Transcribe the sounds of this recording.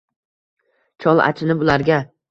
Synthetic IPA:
t͡ʃʰɒlˠa̰t͡ʃʰɪnɪbʊlaɾɡʲa

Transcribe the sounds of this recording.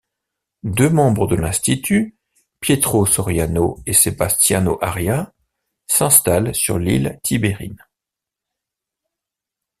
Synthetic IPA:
d̪ømɑ̃bʁəd̪əlɛ̃st̪it̪y | pjet̪χosɔʁjanoesebast̪janoʔaʁja | sɛ̃st̪alsyʁlḭlt̪ʰibeʁḭn

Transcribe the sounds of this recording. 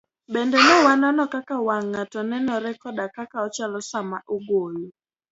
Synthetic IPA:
bɛndɛnɛwanɔnɔkakawaŋːatɔnɛnɔɾɛkɔdakakaɔt͡ʃalɔsamaʔuɡojo

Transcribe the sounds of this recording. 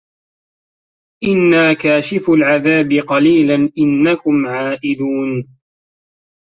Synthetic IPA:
ʔɪnːaːkaːʃɪfalʕaðaːbɪqɑliːlanʔɪnːakʊmʕaːʔɪd̪uːn

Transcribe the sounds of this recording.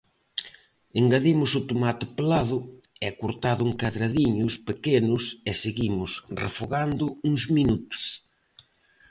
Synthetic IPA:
eŋɡaðimʊsʊt̪omat̪ɪplaðʊ | ɛakoɾt̪aðʊuŋkaðɾaðiɲʊspekenʊsɛseɣimʊsrḛfoɣand̪ʊuŋzminut̪ʊ̥s

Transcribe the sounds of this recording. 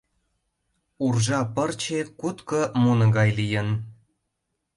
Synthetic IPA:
urʒɑpɤ̆rt͡ɕekut̪kɤ̆munɤ̆ɡɑjlijə̆n

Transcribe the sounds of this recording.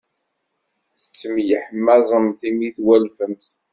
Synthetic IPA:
θə̥t͡sːəmjəħəmːæzˤəmθimiθwælfəmθ

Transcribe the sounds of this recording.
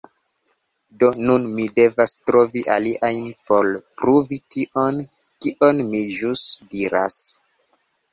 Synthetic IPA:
do̞nunmide̞vastɾo̞viʔaliʔajnpo̞lpɾuvikiʔon | kiʔo̞nmiʒusdiɾa̰s

